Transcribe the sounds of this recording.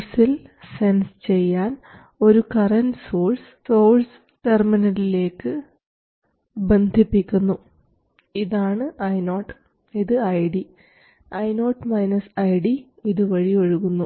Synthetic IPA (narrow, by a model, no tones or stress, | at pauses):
silse̞nsɨ̥t͡ɕe̞jːaːn | o̞ɾukɐrɐnsoːls | so̞ːls | ʈerminɐlile̞ːkːɨ | be̞nd̪ʱipːikʲːunːu | iðaːɳɨʔɐjno̞ːʈː | iðɨɐjɖi | ɐjnoːʈmɐjnɐsɐjɽi | iðɨʋɐɻijo̞ɻuɣunːu